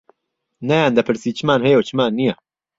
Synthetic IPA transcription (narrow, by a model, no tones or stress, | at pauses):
najaːnd̪ɐpʰɨɾsiːt͡ʃʰɨmaːnhɛjɐwt͡ʃʰɨmaːnːijɛ